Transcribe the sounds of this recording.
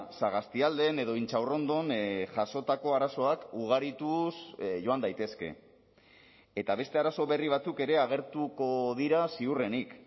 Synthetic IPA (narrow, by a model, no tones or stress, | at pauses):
saɣ̞ast̪iald̪e̞ne̞ðo̞int͡ʃawro̞nd̪onʝaso̞t̪ako̞aɾaso̞akuɣ̞aɾit̪usʝo̞and̪ajt̪e̞ske̞̰ | e̞t̪aβ̞e̞st̪e̞aɾaso̞βe̞riβ̞at͡suke̞ɾe̞aɣ̞e̞ɾt̪uko̞ðiɾasiure̞nik